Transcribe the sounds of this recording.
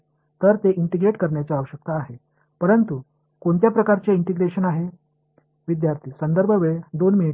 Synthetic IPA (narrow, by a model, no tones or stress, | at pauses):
t̪əɾt̪eʔiɳʈiɡɾeʈkəɾɳjat͡saːʋəɕək̚t̪aːɦe | pəɾənt̪u | koɳt̪japɾəkaɾt͡seiɳʈiɡɾeɕənaɦe | ʋid̪jaɾt̪ʰiːsənd̪əɾbʱəʋeɭd̪onmini